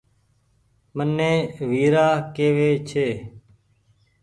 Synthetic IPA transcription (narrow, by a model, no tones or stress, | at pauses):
mənːeːʋiːɾaːkeːʋeːt͡ʃʰeː